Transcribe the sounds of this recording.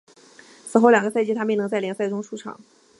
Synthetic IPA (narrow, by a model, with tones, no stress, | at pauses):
sɹ̩˨˩xo˥˩ʊljɑ˨˩ŋɡə˧˦sa˥˧ɪt͡ɕi˥t̪ʰa˥pi˥˩nɤ˧˥ŋt͡sa˥˩ɪljɛ˧˥sɪʈ͡ʂʊ˥ŋʂu˥˩ʈ͡ʂʰɑ̰˨˩˦ŋ